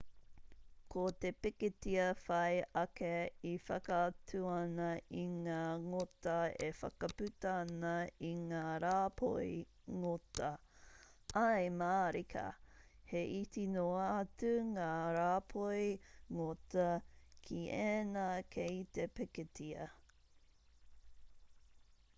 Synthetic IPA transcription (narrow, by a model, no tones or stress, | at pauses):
kʰot̪epɪketiɐfɐjɐkeifɐkɐtʰuɐnɐiŋaːŋotɐefɐ̰kɐpʉtɐnɐiŋaːɾaːpʰo̰ij | ŋotɐ | ʔɐjmaːɾikʰɐ̰heʔitinoaːtʉŋaːɾaːpʰojŋotɐkʰiʔenakʰeitepɛketʰiɐ